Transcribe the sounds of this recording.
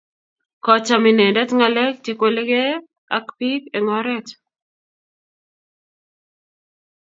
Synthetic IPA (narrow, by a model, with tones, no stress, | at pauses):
kɔt͡ʃami˨ne˨dɛ˦tŋalɛ˦k̚teko˦le˦ɡe˦ | a̰˦kpi˦keŋɔɾɛ˦t͡ʃ